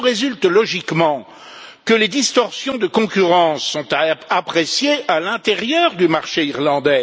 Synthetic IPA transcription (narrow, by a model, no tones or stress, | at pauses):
ʁezylt̪lɔʒikmɑ̃ | kəled̪ist̪ɔʁsjɔ̃d̪əkɔ̃kʲyʁɑ̃sːɔ̃t̪aːpχesjealɛ̃t̪eʁjœʁd̪ymaʁʃeiʁlɑ̃d̪ɛ